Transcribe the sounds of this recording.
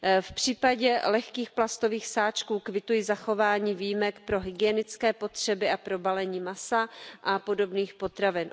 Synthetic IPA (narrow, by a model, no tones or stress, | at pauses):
fpr̝̥iːpaɟɛlɛxkiːxplast̪o̞viːxsaːt͡ʃkuːkvɪt̪ujizaxo̞vaːɲiːvijmɛkpɾo̞ɦɪɡɪɛnɪt͡skɛːpo̞t̪r̝̥ɛbɪapɾo̞balɛɲiːmasaʔapo̞do̞bniːxpo̞t̪ɾavɪn